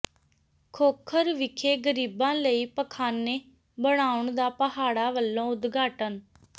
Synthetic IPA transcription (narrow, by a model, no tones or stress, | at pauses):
kʰoːkʰəɾʋɪkʰeːɡəɾiːbãːləiːpəkʰaːnːeː | bəɽaːʊɳd̪aːpəɦaːɽaːʋəlːõːʊd̪ɡaːʈən